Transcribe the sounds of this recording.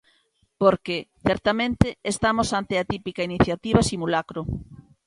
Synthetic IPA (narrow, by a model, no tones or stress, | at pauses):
poɾkeθɛɾt̪amẽnt̪ɪest̪amosant̪eɪat̪ipikainiθjat̪iβasimulakɾo